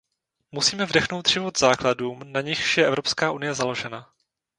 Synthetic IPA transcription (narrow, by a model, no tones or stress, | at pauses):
musiːmɛvdɛxno̞wt̪ʒ̥ɪvot̪z̥aːkladuːmnaɲɪxʃjɛʔɛvɾo̞pskaːʔunɪjɛzalo̞ʒɛna